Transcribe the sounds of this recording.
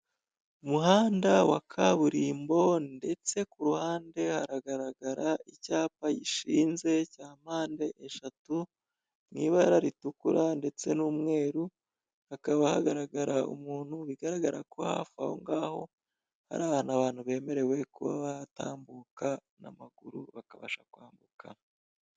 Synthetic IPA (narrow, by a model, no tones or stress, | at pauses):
umuɦaːndawa̰kʰaβuɾiːmbo̞nde̞t͡se̞kuɾuhaːnde̞haɾaɡaɾaɡaɾaicaːpajiʃiːnze̞caːm̥aːnde̞ʔeʃatu | ŋiːβajaɾaɾitukuɾande̞t͡se̞nuːmŋe̞ːɾu | akaβahaɡaɾaɡaɾaṵmuːn̥huβiɡaɾaɡaɾakʰo̞ha̰fa̰ho̰ŋɡaːho̞̰ | ha̰ɾaːβaːnaβaːn̥huβe̞ːme̞ɾe̞we̞kuβa̰βajata̰ːmbuka | na̰maɡuɾṵβakaβa̰ʃakwaːmbukʰa